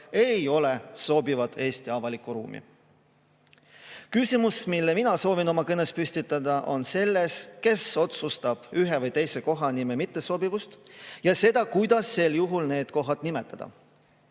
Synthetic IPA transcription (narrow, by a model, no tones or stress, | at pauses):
e̞jo̞le̞so̞ːbivɑd̪e̞ːst̪iɑvɑlikːˑuɾṵːmʔḭ | kysʲimusmilːeminɑso̞ːvino̞mɑkɤnespysʲt̪it̪ːˑɑd̪̥ɑʔo̞nse̞lːe̞ske̞so̞t̪sust̪ɑb̥yɦe̞vɯjt̪e̞jse̞ko̞ɦɑnimemit̪ːˑeso̞bivust̪jɑse̞d̪̥ɑkujd̪̥ɑsːe̞ljuɦulne̞ːd̪̥ko̞ɦɑd̪nimet̪ˑːɑd̪̥ɑ̰